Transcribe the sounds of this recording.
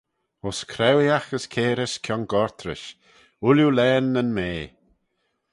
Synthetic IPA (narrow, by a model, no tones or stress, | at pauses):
ɔskʰɾɛwiaxəskʰeːɾəskʰjɔnɡɔɹt̪ʰɾɪ̰ʃ | ululɛːnːənmeː